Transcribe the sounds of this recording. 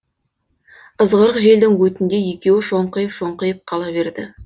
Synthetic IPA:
əzʁəɾəqʒe̞ld̪ɪŋwɵt̪ɪnd̪e̞je̞kʲe̞wɪʃoɴqəjəpʃo̞ɴqəjəp̚qʰɑlˠɑβe̞ɾd̪ɪ

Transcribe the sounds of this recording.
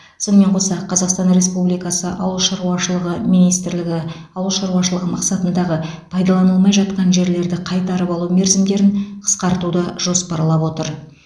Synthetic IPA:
so̞nəme̞ɴqʰo̞sɑqʰɑzɑqst̪ɑnɾe̞spublijkɑsəʔɑwəlˠʃɑɾuɑʃəlˠəʁəmijnijst̪ɾlɪɡʲɪ | ɑwəlˠʃɑɾuɑʃ̬əlˠəʁəmɑqsɑt̪ənd̪ɑʁəpʰɑjd̪ɑlˠɑnəlˠmɑjʒɑt̪̚qɑnʒe̞ɾle̞ɾd̪ɪqʰɑjt̪ɑɾəpɑlˠume̞ɾzɪmd̪e̞ɾɪnqʰə̥sqɑɾt̪ud̪əʒ̥o̞spɑɾlˠɑpwo̞t̪əɾ

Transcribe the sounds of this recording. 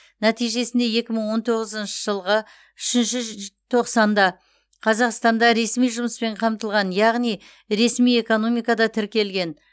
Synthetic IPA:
næt̪ijʒe̞sɪnd̪e̞je̞kʲɪməɴwo̞nt̪ʰo̞ʁəzənʃəʒəlˠʁə | ʏʃɪnʃɪt̪ʰo̞qsɑnd̪ɑ | qʰɑzɑqst̪ɑnd̪ɑɾe̞smijʒʊməspe̞ɴqʰɑmt̪əlˠʁɑnjɑʁnij | ɾe̞smije̞ko̞no̞mijkɑd̪ɑt̪ʰɪɾkʲe̞lɡʲe̞n

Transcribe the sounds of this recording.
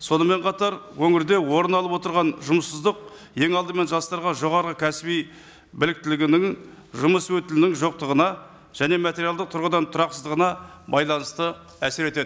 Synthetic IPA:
so̞nəme̞ɴqʰɑt̪ɑɾwɵŋɪɾd̪e̞wo̞ɾənɑlˠəpwo̞t̪əɾʁɑnʒʊməsːəzd̪əq̚ | je̞ŋɑlˠd̪əme̞nʒɑst̪ɑɾʁɑʒo̞ʁɑɾʁəkʲʰæsɪbij | bɪlɪk̚t̪ɪlɪɡʲɪnɪŋ | ʒʊməswɵt̪ɪlɪnɪŋʒo̞q̚t̪əʁənɑ | ʒ̥æne̞mat̪ʲeɾijalˠd̪əq̚t̪ʰʊɾʁəd̪ɑnt̪ʰʊɾɑqsəzd̪əʁənɑbɑjlˠɑnəst̪ə | æseɾe̞t̪e̞d̪ɪ

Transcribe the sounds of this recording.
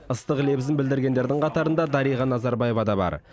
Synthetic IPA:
əst̪əqle̞bɪzɪnbɪld̪ɪɾɡʲe̞nd̪e̞ɾd̪ɪɴqʰɑt̪ɑɾənd̪ɑd̪ɑɾijʁɑnɑzɑɾbɑjevɑd̪ɑbɑ̰ɾ

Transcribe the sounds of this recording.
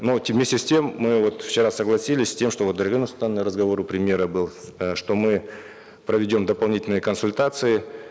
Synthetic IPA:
novmʲesʲtʲɪsʲtʲe̞mːɨvo̞t̪ft͡ɕɪɾasəɡlˠɐsʲilʲɪsʲsʲtʲe̞mʂt̪o̞vot̪d̪əɾʲɣɨnʊst̪anːɨɾəzɡɐvoɾʊpɾʲɪmʲje̞ɾəbɨlˠ | ʂt̪o̞mɨ | pɾəvʲɪdʲo̞md̪əpɐlˠnʲitʲɪlʲnɨjəkənsʊlʲt̪at̪sɨɪ

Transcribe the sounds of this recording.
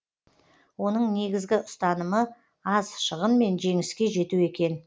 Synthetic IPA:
wo̞nəɴne̞ɡʲɪzɡʲɪʊst̪ɑnəmə | ɑzʃəʁənme̞nʒe̞ŋɪskʲe̞ʒe̞t̪ue̞kʲe̞n

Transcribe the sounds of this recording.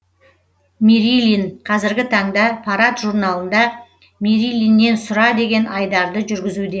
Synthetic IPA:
miɾilʲinqʰɑzɪɾɡʲɪt̪ʰɑɴd̪ɑpʰɑɾat̪ʒuɾnɑlˠənd̪ɑ | miɾilʲinːe̞nsʊɾɑd̪e̞ɡʲe̞nɑjd̪ɑɾd̪əʒʏɾɡʲɪzud̪e̞

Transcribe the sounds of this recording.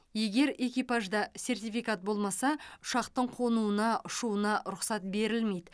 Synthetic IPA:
je̞ɡʲe̞ɾe̞kʲijpaʒd̪ɑsʲe̞rt̪ijfijkat̪̚bo̞lˠmɑsɑʊ̥ʃɑqt̪əɴqʰo̞nuənɑʔʊʃuənɑɾʊqsɑt̪̚be̞ɾɪlme̞jd̪ɪ

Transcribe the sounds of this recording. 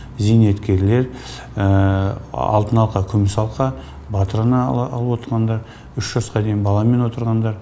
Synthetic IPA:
zijne̞t̪kʲe̞ɾle̞ɾ | ə | ɑ̰lˠt̪ənɑlˠqɑkʲʰʏmɪsɑlˠqɑ | bɑt̪əɾanɑɑ̰lˠəpwo̞t̪əɾʁɑnd̪ɑɾ | ʏʃʒɑsqɑd̪e̞jɪnbɑlˠɑme̞nwo̞t̪əɾʁɑnd̪ɑɾ

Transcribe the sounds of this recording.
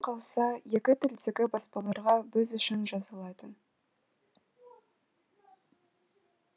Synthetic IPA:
qʰɑlˠsɑje̞kʲɪt̪ʰʏld̪eɡʲɪbɑspɑlˠɑɾʁɑbɪzʏʃɪnʒɑzɑlˠɑt̪ən

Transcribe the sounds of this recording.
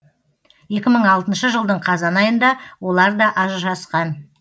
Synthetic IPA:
je̞kʲɪməɴɑlˠt̪ənʃəʒəlˠd̪əɴqʰɑzɑnɑjənd̪ɑwo̞lˠɑɾd̪ɑʔɑʒʒɑsqɑn

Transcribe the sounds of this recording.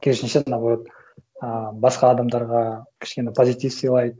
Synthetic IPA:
kʲʰeɾʃɪnʃeʒnɑblt̪ | əbɑsqɑːd̪ɑmd̪ɑɾʁɑkʲʰɪ̥ʃkʲe̞nepʰozʲit̪ifsijlˠɑjd̪

